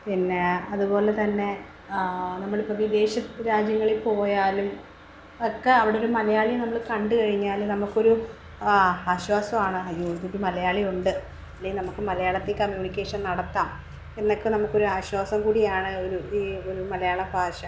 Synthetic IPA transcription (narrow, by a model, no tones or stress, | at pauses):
pinːeɐðubo̞ːle̞t̪ɐnːe̞ | nɐmːɐɭipːɐʋid̪e̞ːɕɐɾaːd͡ʑjɐŋːɐɭilpo̞ːjaːlum | ɐkːeɐʋiɽeoɾumɐlɐjaːɭinɐmːɐɭkɐɳɖɨkɐɻiɲːaːlnɐmukːo̞ɾu | aːɕwaːsɐmaːɳɨɐjuːd̪oɾumɐlɐjaːɭijuɳɖɨ | ɐlːejinɐmukːɨmɐlɐjaːɭɐt̪ːekɐmjuːnikʲːe̞ːʂɐnnɐɽɐt̪ːaːm | e̞nːɐkːɨnɐmukːo̞ɾuaːɕwaːsɐmkuːɽijaːɳɨoɾuiːo̞ɾumɐlɐjaːɭɐbʱaːɕɐ